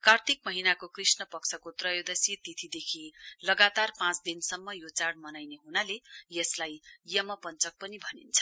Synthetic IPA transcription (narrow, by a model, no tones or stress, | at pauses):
kart̪ʰik̚mʌɦinakokrisnʌpʌksʰʌkot̪rʌjod̪ʌsit̪it̪ʰid̪ekʰilʌɡat̪arpãt͡sd̪insʌmːʌjot͡saɽmʌnajneɦunalejʌslajjʌmʌpʌnt͡sʌk̚pʌnibʱʌnint͡sʰʌ̥